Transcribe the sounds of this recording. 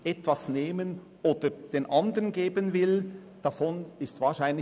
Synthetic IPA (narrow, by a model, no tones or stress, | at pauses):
ʔɛtv̥asneːmən | ʔoːd̥əd̥eːnʔandəʁənɡeːbənvɪl | d̥afonɪstv̥aːɐʃaɪnlɪ